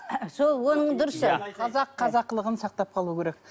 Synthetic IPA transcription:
solˠwo̞nəɴd̪ʊɾəsʃəqʰɑzɑqʰːɑzɑqːəlˠəʁənsɑq̚t̪ɑp̚qʰɑlˠuəkʰʲeɾek

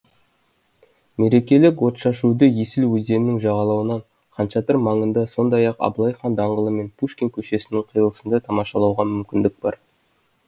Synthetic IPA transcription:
me̞ɾe̞kʲe̞lɪkwo̞t̪ʃɑʃud̪əjesɪlwɵzd̪e̞nɪnɪŋʒɑʁɑlˠɑwənɑɴ | qɑnʃɑt̪əɾmɑɴənd̪ɑso̞nd̪ɑjɑqɑ̰blˠɑjχɑnd̪ɑɴʁəlˠəme̞npʰuʃkʲe̞ŋkʲʰɵʃe̞sɪnɪŋqʰijəlˠəsənd̪ɑt̪ʰɑmɑʃɑlˠɑwʁɑmʏmkʲɪnd̪ɪk̚b̥ɑ̰ɾ

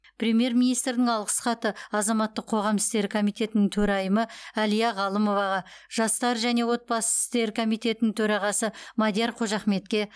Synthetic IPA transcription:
prʲemije̞ɾmʲijnijst̪ɾd̪ɪŋɑlˠʁəsχɑt̪əɑzɑmɑt̪ːəqʰːo̞ʁɑmɪst̪e̞ɾkʰo̞mijt̪ʰe̞t̪ɪnɪŋt̪ʰɵɾɑjəməælijɑʁɑlˠəmo̞vɑʁɑʒ̥ɑst̪ɑɾʒæne̞wo̞t̪̚bɑsət̪e̞ɾkʰo̞mijt̪ʲe̞t̪ɪnɪŋt̪ʰɵɾɑʁɑsəmɑd̪ijɑɾqʰo̞ʒɑχme̞t̪kʲe̞

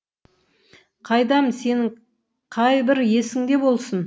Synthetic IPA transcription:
qʰɑjd̪ɑmse̞nɪ | qʰɑjbɪɾje̞sɪŋd̪e̞bo̞lˠsən

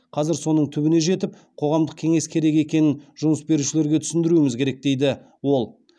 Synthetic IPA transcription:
qʰɑzɪɾso̞nəɴt̪ʰʏbɪne̞ʒe̞t̪ɪp̚ | qʰo̞ʁɑmd̪əq̚kʲʰe̞ŋe̞skʲʰe̞ɾe̞ke̞kʲe̞nɪnʒ̥ʊməsbe̞ɾuʃɪle̞ɾɡʲe̞t̪ʰʏsɪnd̪ɪɾuɪmɪzkʲeɾe̞k̚d̪e̞jd̪ɪ | wo̞lˠ

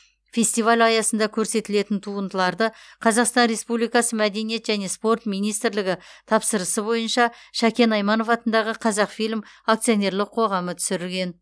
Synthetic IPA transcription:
fʲe̞st̪ijvalʲɑjɑsənd̪ɑkʲʰɵɾse̞t̪ɪle̞t̪ɪnt̪ʰuənd̪əlˠɑɾd̪əqʰɑzɑqst̪ɑnɾe̞spublijkɑsəmæd̪e̞nije̞t̪ʒæne̞spo̞rt̪mijnijst̪ɾlɪɡʲɪt̪ʰɑpsəɾəsəbo̞jənʃɑʃækʲe̞nɑjmɑno̞fɑt̪ənd̪ɑʁəqʰɑzɑqfijlʲmak̚t̪sijo̞ne̞ɾlˠɪqʰo̞ʁɑmət̪ʰʏ̥sɪɾɪlɡʲe̞n

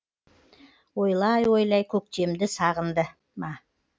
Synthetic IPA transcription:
wo̞jlˠɑjwo̞jlˠɑjkʲʰɵk̚t̪e̞md̪ɪsɑʁənd̪ə | mɑ

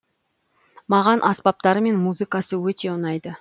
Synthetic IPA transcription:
mɑʁɑnʔɑspɑp̚t̪ɑɾəme̞nmuzɨkɑsəwɵt̪e̞ʊnɑjd̪ə

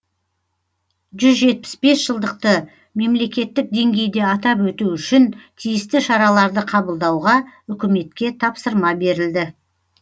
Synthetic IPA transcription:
ʒʏzʒe̞t̪̚pɪ̥sbe̞sʒ̥əlˠd̪əq̚t̪ə | me̞mle̞kʲe̞t̪ːɪk̚d̪e̞ŋɡʲe̞jd̪e̞ɑt̪ɑpwɵt̪uʏʃɪnt̪ʰijɪst̪ɪʃɑɾɑlˠɑɾd̪əqʰɑbəlˠd̪ɑwʁɑʏkʲɪme̞t̪kʲe̞t̪ʰɑpsəɾmɑbe̞ɾɪld̪ɪ

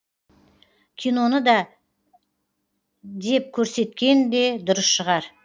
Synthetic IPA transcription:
kʲʰijno̞nəd̪ɑ | d̪e̞p̚kʲʰɵɾse̞t̪kʲe̞nd̪e̞d̪ʊɾəsʃəʁɑɾ

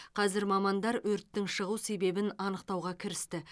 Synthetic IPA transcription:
qʰɑzɪɾmɑmɑnd̪ɑɾwɵɾt̪ːɪŋʃəʁuwse̞be̞bɪnɑnəq̚t̪ɑwʁɑkʲʰɪɾɪst̪ɪ

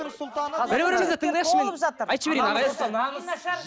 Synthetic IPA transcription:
sʊlˠt̪ɑnbɪɾbɪɾɪezet̪ʰəɴd̪ɑjʃəmenəpʒɑt̪əɾɑjt̪ʃəbeɾenɑʁɑj̪əz

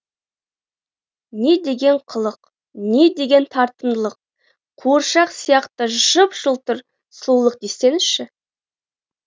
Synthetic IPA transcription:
ne̞d̪e̞ɡʲe̞ɴqʰəlˠəq | ne̞d̪e̞ɡʲe̞nt̪ʰɑɾt̪ənd̪əlˠəq̚ | qʰoɾʃɑqsijɑqt̪əʒəpʒ̥əlˠt̪əɾ | sˠulˠəq̚d̪est̪e̞nɪʃɪ

